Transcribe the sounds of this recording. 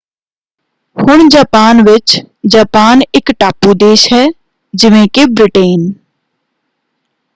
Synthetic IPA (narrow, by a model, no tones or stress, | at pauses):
hʊɳ̃d͡ʒaːpaːnʋɪt͡ʃ | d͡ʒaːpaːnɪkʈaːpud̪eːʃɦɛː | d͡ʒɪʋẽkebɾɪʈeːn